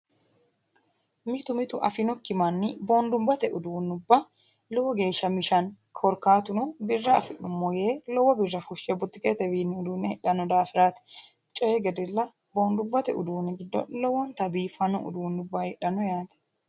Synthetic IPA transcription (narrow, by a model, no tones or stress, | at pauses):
mɪt̪ʊmɪt̪ʊʔɐfɪnɔkːɪmɐnːɪboːnd̪ʊmbɐt̪ɛʔʊd̪uːnːʊbːɐ | lɔwɔɡe̞ːʃːɐmɪʃɐnkʰɔɾkaːt̪ʊnʊbɪrːɐːfɪʔʊmːɔjeːlɔwɐbɪrːɐfʊʃːɛbʊt̪ːɪkʼet̪ɛbiːnːɪʊd̪uːnɛɛᶑɐnɔd̪aːfɪɾaːt̪ɛ̥ | t͡ʃʼɔjɛɡɛd̪ɪlːɐ | boːnd̪ʊmbɐt̪ɛ̰ʊ̰d̪uːnɛɡɪd̪ːɔ̰lɔwːɐnt̪ɐbiːfɐnɔʔʊ̰d̪uːnːʊbːɐhɛɗɐnɔjaːt̪ɛ̥